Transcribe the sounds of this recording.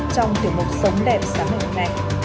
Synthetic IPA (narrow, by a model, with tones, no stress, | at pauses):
t͡ɕɔ˧wŋ͡mt̪i˨˩əŋmʊ˨˩t̚sə˨˦wŋ͡mɗɛ˨˩psaː˨˦mi˨˩i˨˩na˧˩j